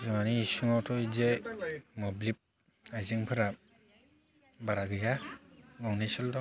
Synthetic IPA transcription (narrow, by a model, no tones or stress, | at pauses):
zɔŋaniːsuŋawtʰɔizejmɔblip̚ | ajzɯŋpʰɯɾa | baɾaɡɯjaŋɔŋnisɯldɔ